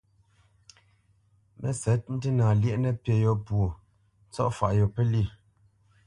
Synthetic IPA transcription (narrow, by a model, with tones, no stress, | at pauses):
mʔɛ̰˦˨sɛ˨˦t̚n̩˦ti˦nãː˨ljɛ˦ʔnɛ˦pje˨jo˦˨pwo˨ | t͡sɔ̰˦ʔfa˨ʔjɔ˨pɛ˦li˦˨